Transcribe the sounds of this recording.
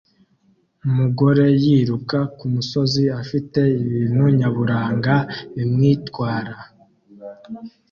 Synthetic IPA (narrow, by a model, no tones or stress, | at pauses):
umuɡo̞ɾe̞jiːɾukakumuso̞ziafite̞iβiːnhuɲaβuɾaːŋɡaimŋiːtwaːɾa